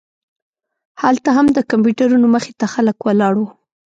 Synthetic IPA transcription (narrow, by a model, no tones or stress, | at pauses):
halt̪aɦamd̪əkamp̬juʈaɾunoməxet̪axaləkwalɑɽwu